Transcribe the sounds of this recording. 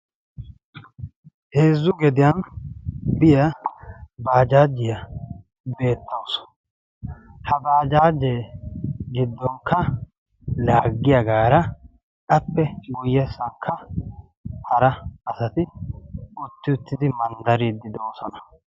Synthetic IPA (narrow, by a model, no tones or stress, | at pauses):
heːzːʊɡɛd̪ɪjɐn | bɪjɐ | baːd͡ʒaːd͡ʒːɪjɐ | be̞ːt̪ːɐws | hɐbaːd͡ʒaːd͡ʒːeː | ɡɪd̪ːɔŋkːɐ | laːɡːɪjɐɡaːɾɐ | ɐpːɛujɛsːɐŋkʰːɐ | hɐɾɐːsɐt̪ɪ | ʊt̪ːɪʊt̪ːɪd̪ɪmɐnd̪ɐɾiːd̪ːɪd̪oːsɔnɐ̥